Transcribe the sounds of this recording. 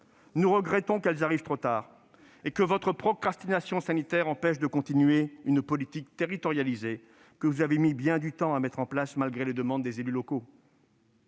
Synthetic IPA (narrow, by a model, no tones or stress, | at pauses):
nuʁəɡʁɛt̪ɔ̃kɛlzaʁivt̪χot̪aːʁ | ekəvɔt̪χəpχɔkχast̪inasjɔ̃sanit̪ɛʁɑ̃pɛʃd̪əkɔ̃t̪inɥeynpɔlit̪ikt̪eʁit̪ɔʁjalize | kəvuzavemibjɛ̃d̪yt̪ɑ̃amɛt̪χɑ̃plasmalɡʁeled̪əmɑ̃d̪ːezelylɔko